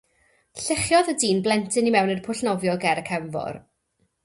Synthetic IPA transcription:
ɬɪχjɔðədiːnblˠɛntʰɨnimɛwnərpʰʊɬnɔvjɔɡɛɾəkʰɛɱvɔ̰r

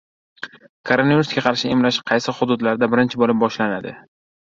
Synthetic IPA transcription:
kʰoɾonaviɾʊsɡʲaqʰɑɾʃɪemlaʃqʰɑjsɪhʊd̪ʊd̪laɾd̪abɪɾɪnt͡ʃʰɪbolɪp̚bɒʃlanad̪ɪ̰

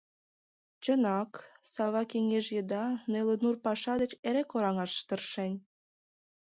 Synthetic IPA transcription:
t͡ɕənɑksɑβɑkeŋeʒjəd̪ɑnelonurpɑʃɑd̪et͡ɕeɾekoɾɑŋɑʃʃt̪ərʃenʲ

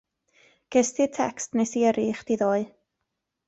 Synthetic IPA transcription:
ɡ̥ɛstɪtʰɛkstnejsiəɾʔiːχd̥iðoːɨ

